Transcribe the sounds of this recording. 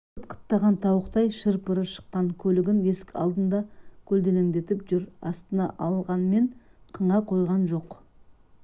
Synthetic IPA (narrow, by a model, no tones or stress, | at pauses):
ət̪qʰə̥t̪ːɑʁɑnt̪ʰɑwəqt̪ɑjʃəɾpəɾəʃə̥qːɑŋkʲʰɵlɪɡʲɪne̞skʲɑ̰lˠd̪ənd̪ɑkʲʰɵld̪e̞neŋd̪e̞t̪ɪpʒʏɾɑ̰st̪ənɑ̰ʔɑlˠʁɑnme̞ɴqʰəɴʁɑqʰo̞jʁɑnʒo̞q